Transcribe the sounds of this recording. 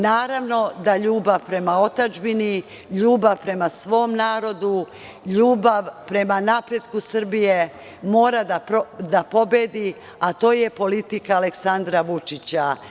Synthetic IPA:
naːɾaʋno̞d̪aʎuːbaʋpɾe̞mao̞t̪ad͡ʒbini | ʎuːbaʋpɾe̞masʋo̞ːmnaːɾo̞d̪u | ʎuːbaʋpɾe̞manapɾe̞d̪kusr̩bije̞ | mo̞ːɾad̪apod̪apo̞bed̪i | at̪o̞ːje̞po̞lit̪ikaːleksand̪ɾaʋut͡ʃit͡ɕa

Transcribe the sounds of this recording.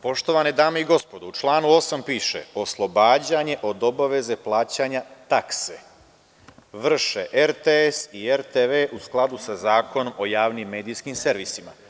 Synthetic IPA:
po̞ʃt̪o̞ʋaned̪aːmeiɡo̞spo̞d̪out͡ʃlˠaːnuo̞sampiːʃe̞̰o̞slˠo̞baːd͡ʑaɲe̞ʔo̞d̪o̞baʋe̞ze̞plˠaːt͡ɕaɲat̪akse̞̰ | ʋr̩ʃḛʔeɾt̪eesieɾt̪eʋeʔusklˠad̪usazaːko̞no̞mʔo̞jaːʋnimːe̞ːd̪ijskimseɾʋisima̰

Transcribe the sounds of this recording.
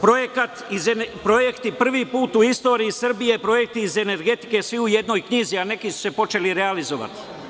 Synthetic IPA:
pɾo̞je̞kat̪izepɾo̞jekt̪ipr̩ʋiːpuːt̪uist̪o̞ːɾiisr̩bije̞pɾo̞je̞k̚t̪iːze̞ne̞ɾɡe̞t̪i̥ke̞sʋiuje̞d̪no̞jkɲiziane̞kisu̥se̞po̞t͡ʃe̞liɾealizo̞ʋa̰t̪i̥

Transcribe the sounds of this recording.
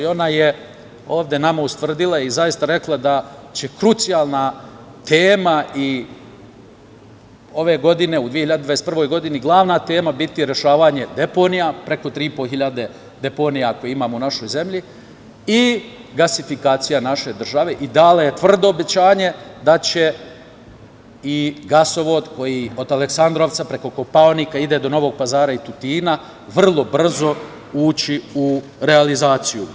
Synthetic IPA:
o̞naje | o̞ːʋd̪e̞namaust̪ʋr̩d̪ilˠaizajist̪aɾe̞klˠad̪at͡ɕe̞kɾut̪sijaːlˠna | t̪e̞ːmai | o̞ʋe̞ɡo̞d̪ine̞ud̪vieçiʎad̪ed̪ʋajest̪pr̩ʋo̞ːjɡo̞d̪iniɡlˠaːʋnat̪e̞ːmabit̪iɾjeʃaːʋaːɲe̞d̪epo̞nijapɾeko̞t̪ɾipo̞ɦiʎad̪e̞ | d̪e̞po̞nijako̞jeimaːmounaʃo̞jze̞mʎi | i | ɡasifikaːt̪sijanaʃe̞d̪r̩ʒaʋe̞ʔid̪alejet̪ʋr̩d̪oːbe̞t͡ɕaːɲe̞d̪at͡ɕe̞ | iɡaso̞ʋo̞d̪ko̞jiːo̞d̪aleksand̪ɾo̞ʋt̪sapɾe̞ko̞ko̞paoniːkaid̪e̞d̪o̞no̞ʋo̞ːɡ̚pazaːɾait̪ut̪iːna | ʋr̩lˠo̞br̩zo̞ | uːt͡ɕiu | ɾealizaːt̪siju

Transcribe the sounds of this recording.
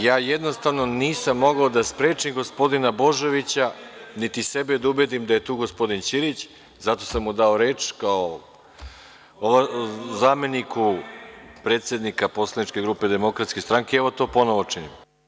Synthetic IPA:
jaːjed̪nost̪aʋno̞niːsamːo̞ɡaod̪aspɾe̞ːt͡ʂimɡo̞spo̞d̪inabo̞ʒe̞ʋit͡ɕanit̪ise̞bed̪aubed̪imd̪aje̞t̪uːɡo̞spo̞d̪int͡ɕiɾit͡ɕ | zat̪o̞samːud̪aoɾeːt͡ʃkao | ozame̞niku | pɾe̞ːt̪sje̞d̪nikapo̞slˠanit͡ʃke̞ɡɾuːpe̞d̪e̞mo̞kɾat̪ske̞st̪ɾaŋkeeʋo̞t̪o̞ːpo̞noʋo̞t͡ʂinim

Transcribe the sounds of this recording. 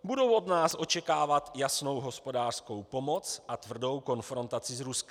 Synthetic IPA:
budo̞wʔo̞d̪naːsʔo̞t͡ʃɛkaːvat̪jasno̞wɦo̞spo̞daːr̥sko̞wpo̞mo̞t͡sʔat̪vr̩do̞wko̞nfɾo̞nt̪at͡sɪzɾuska

